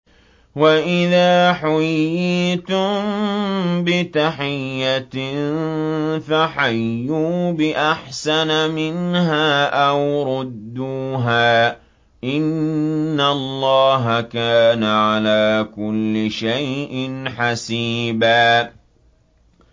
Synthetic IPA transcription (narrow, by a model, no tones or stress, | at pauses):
waʔɪðaːħʊjjːiːt̪ʊmmbɪt̪aħɪjːan | faħajːuːbɪʔaħsanamɪnɦaːʔawɾʊd̪ːuːɦaː | ʔɪnː | allˤːɑːɦakaːnaʕalaːkʊlːɪʃajʔɪnħasiːbaː